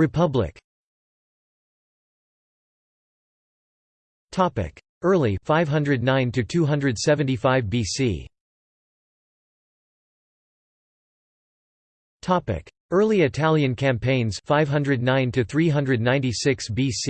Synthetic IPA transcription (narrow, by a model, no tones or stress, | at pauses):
ɹɨpʰʌblɪ̰k | tʰɑpɪ̰k | ɜ˞lˠifaɪv̥ɦʌ̃ndɹɨdⁿnãɪ̃ntʰɨtʰʉɦʌ̃ndɹɨd̥sɛvɨ̃n̩tifaɪvbisḭ | tʰɑpɪ̰k | ɜ˞lˠiɨtʰælˠjɨ̃nkʰæ̃mpʰẽɪ̃nz̥faɪv̥ɦʌ̃ndɹɨdⁿnãɪ̃ntʰɨθɹiɦʌ̃ndɹɨdⁿnãɪ̃ntisɪksb̥is